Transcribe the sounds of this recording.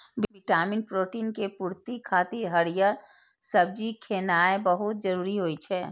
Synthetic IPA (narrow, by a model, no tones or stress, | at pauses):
bbɪʈaːmɪnpɾoːʈiːnkepuːɾt̪ikʰaːt̪ɪɾɦəɾijəɾ | səb̚d͡ʒikʰeːnaːebəɦʊt̪̚d͡ʒəɾuːɾiɦoit͡ʃʰɛː